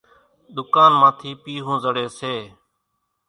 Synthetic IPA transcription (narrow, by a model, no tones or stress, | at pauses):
ɗ̪ʊkaːnmãːt̪ʰiːpiːɦũːzəɽeːseː